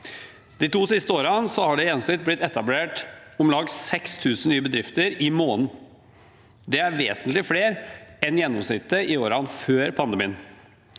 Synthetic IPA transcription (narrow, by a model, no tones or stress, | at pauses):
d̪̥ɪt̪ʰuːsɪst̪əoːɾɑnsɔhɑɖɛjɛnsɪt̪̚blɪt̪ːɛt̪ɑbleːʈʊmlɑːɡsɛkst̪ʰʉːsn̩nyːəbəd̪ɾɪft̪əɾɪmoːnn̩ | d̪ɛæɾʋeːsənt̪lɪfleːɾɛnjɛnːɔmsnɪt̪ːəɪoːɾɑnføːɾpʰɑnd̪əmiːn